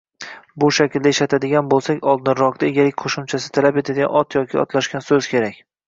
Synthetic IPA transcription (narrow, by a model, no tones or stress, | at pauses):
bʊʃakʲɪld̪aɪʃat̪ʰad̪ɪɡʲanbolˠsakʲɒlˠd̪ɪnɾɒqd̪aeɡʲalɪkʲqʰoʃʊmt͡ʃʰasɪ̥t̪ʰalape̞t̪ʰad̪ɪɡʲa̰nɒt̪jɒkʲʰɪɒ̰t̪laʃkʲansɵz̥kʲʰe̞ɾakʲ